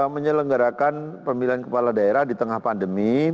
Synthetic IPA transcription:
aməɲələŋɡaɾakanpəmilankəpaladaeɾahdit̪əŋahpandəmi

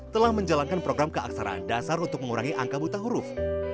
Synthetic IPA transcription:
t̪əlahməɲd͡ʒalankanpɾoɡɾamkəa̰k̚saɾa̰ndasaɾunt̪ʊk̚məŋuɾaŋiʔaŋkabut̪aɦuɾʊf

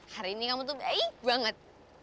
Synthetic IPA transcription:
haɾiːnikamut̪uebaŋət̪̚

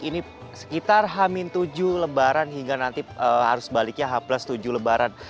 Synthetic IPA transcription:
ini | sə̥kit̪arɦamint̪ud͡ʒuləbaɾanɦiŋɡanant̪iəɦa̰ɾʊsbalɪk̚ɲaɦaplast̪ud͡ʒuləbaɾan

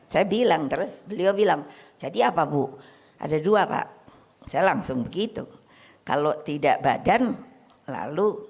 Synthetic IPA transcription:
sajabilaŋt̪əɾʊsbəliobilaŋd͡ʒadiapabu | ʔa̰daduapa̰ʔ | sajalaŋsʊŋbəɡit̪ṵ | ka̰lot̪ida̰ʔbadan | la̰lu

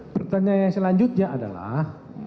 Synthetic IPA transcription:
pərt̪aɲajasəlaɲd͡ʒʊt̪̚ɲaada̰la̰h

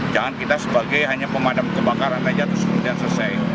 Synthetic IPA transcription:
d͡ʒaŋankit̪asəbaɡajɦaɲapəmadamkəbakaɾanrad͡ʒat̪əsəmud̪iansəsaj

